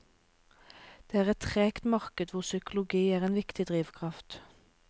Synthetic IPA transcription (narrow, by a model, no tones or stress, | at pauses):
d̪̥eːæːʁɛt̪ʁeːkt̪mɑʁkəd̪ʋʊʁsʏkʊlʊɡiːæːʁeːnʋɪkt̪ɪd̪ʁiːʋkʰʁɑft̪